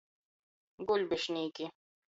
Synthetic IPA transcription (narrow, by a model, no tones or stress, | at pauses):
ɡʊlbɪʃniːki